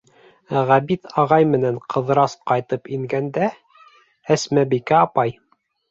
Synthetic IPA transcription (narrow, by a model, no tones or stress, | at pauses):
ʁæbit̪ʰɑʁɑjmɘ̆næɴqʰɤ̆ðɾɑsqɑjt̪ɤpiŋɡænd̪æ | æsmæbikæɑpɑj